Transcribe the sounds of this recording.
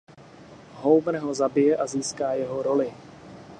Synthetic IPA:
ɦowbɾ̩ɦozabɪjɛʔaziːskaːjɛɦo̞ɾo̞lɪ

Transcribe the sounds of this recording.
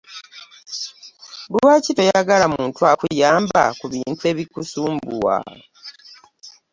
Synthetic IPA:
buwaːcitojaɡalamuːntuakujaːmba̰kuβiːntue̞ːβikusuːmbuwa̰

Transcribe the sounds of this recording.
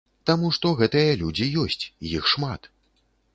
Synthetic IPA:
t̪amuʂt̪ɔɣɛt̪ɐjɐlʲud͡zʲijɔsʲt͡sʲjixʂma̰t̪

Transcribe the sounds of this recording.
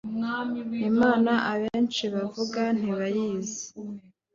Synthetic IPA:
nimaːnaʔaβeːnt͡ʃiβavuɡan̥iβajiːzi̥

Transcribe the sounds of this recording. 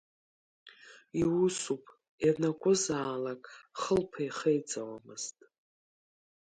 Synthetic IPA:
iwusupʼ | jarnakʷʼʊzaːlakʼχəlpʰajχejt͡sʼawamɨz̥tʼ

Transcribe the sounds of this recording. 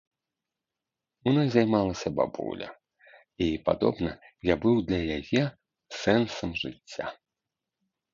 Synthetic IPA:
unɔzʲajmalˠɐsʲɐba̰bṵlʲɐ̰ | ipad̪ɔ̰bnɐjabɨwd̪lʲɐjajɛ | sɛnsɐmʐɨt͡sʲːa̰

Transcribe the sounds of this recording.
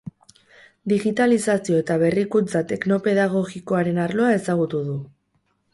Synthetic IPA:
d̪iɣit̪alisasio̞e̞t̪aβ̞e̞rikut͡sat̪e̞kno̞pe̞ðaɣ̞o̞ɣiko̞aɾe̞naɾlo̞ae̞saɣ̞ut̪uð̞u

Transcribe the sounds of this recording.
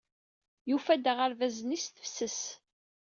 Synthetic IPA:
jufæd̪əʁəɾvæzənisθə̥fsəs

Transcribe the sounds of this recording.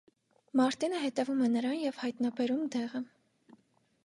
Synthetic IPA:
mɑɾt̪inəɦɛt̪ɛvumɛnəɾɑnjɛvhɑjt̪nɑbɛɾumd̪ɛʁə

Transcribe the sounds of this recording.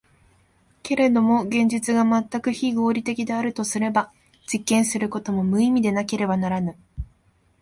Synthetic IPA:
ke̞ɾe̞d̪o̞mo̞ɡẽ̞ɲ̟d͡ʑit͡sɨɡamat̪ːakɯ̟çiɡo̞ːɾʲit̪e̞kʲid̪e̞aɾɯ̟t̪o̞sɨɾe̞ba | d͡ʑikːẽɰ̃sɨɾɯ̟ko̞t̪o̞mo̞mɯ̟imʲid̪e̞nake̞ɾe̞banaɾanɯ

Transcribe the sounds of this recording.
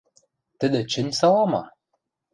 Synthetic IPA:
t̪ɘ̆d̪ɘ̆t͡ɕɘ̆nʲsɑlˠɑmɑ

